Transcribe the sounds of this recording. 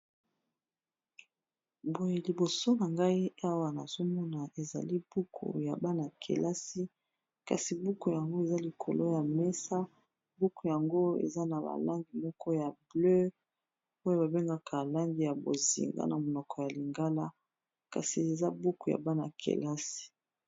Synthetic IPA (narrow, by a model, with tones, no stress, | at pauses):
bo˨je˨li˨bo˨so˦na˨ŋɡa˦i˦a˦wa˨na̰˨zo˦mɔ˦na˨e˨za̰˨li˦b̥u˦kʰṵ˨ja˨ba˦na˨kʰḛ˨lʔa˦si˦ | ka̰˨si˨bu˦ku˨ja˨ŋɡo˦e˨za˦li˨kʰo̰˨lo˦ja˨mɛ˦sa˦ | bu˦ku˨ja˨ŋɡo˦ḛ˨za˦na˨ba̰˨la˦ŋɡi˨mɔ˦kɔ˦ja˨blø˦ | o˦jo˦ba˨be˦ŋɡa˦kʰa˨la˦ŋɡi˨ja˨bo̰˨zḭ˨ŋɡa̰˦na˨mo˨nɔ˨kɔ˨ja˨li˨ŋɡa˦la˦ | ka̰˨si˨e˨za˦bu˦ku˨ja̰˨ba˦na̰˨kʰḛ˨la˦si̥˨